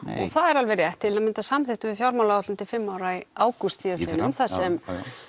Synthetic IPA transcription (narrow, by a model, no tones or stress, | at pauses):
ɔ̰ɣθaðɛɾalvɛrjɛht̪ʰːɪlamɪnt̪asamθɪht̪ʏvɪfjawɾmawlaaht̪ʏmt̪ɪlfɪmːawɾaiaːwkʏst̪siðasenʏmθasɛm